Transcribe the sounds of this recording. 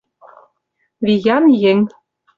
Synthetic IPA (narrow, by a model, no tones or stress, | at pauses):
vʲijɑnjɘ̆ŋ